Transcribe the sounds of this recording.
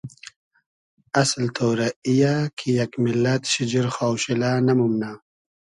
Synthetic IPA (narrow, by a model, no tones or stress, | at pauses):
ɐslt̪ʰoːɾaijakʰijɐkmilːat̪ɕid͡ʑiɾxawɕilaːnɐmumna